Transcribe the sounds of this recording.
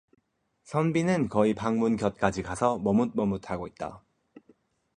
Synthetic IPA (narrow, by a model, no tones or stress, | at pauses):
sʰʌnbinɯnkʌipaŋmunkjʌt̚k͈ad͡ʑikasʰʌmʌmut̚mʌmutʰaɡoit̚t͈a̰